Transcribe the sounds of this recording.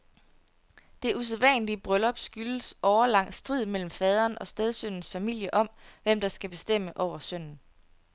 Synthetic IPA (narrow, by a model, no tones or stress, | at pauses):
d̥e̝ʔus̬eðˠʋɛ̰ːnlib̥ʁœlɒ̽b̥sɡ̥ylsɒʊɐlɑ̈ŋ̰sd̥ʁið̰ˠmel̰m̩fɛːð̞ˠɐːnɒ̽sd̥eð̞ˠsøn̰n̩sfæmil̰jəʔɒ̽mʋem̰d̥ɑ̈sɡ̥æb̥e̝sd̥em̰əʔɒʊ̰ɐsøn̰n̩